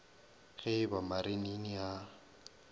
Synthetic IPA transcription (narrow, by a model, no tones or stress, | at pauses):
ɣɛbamaɾeninia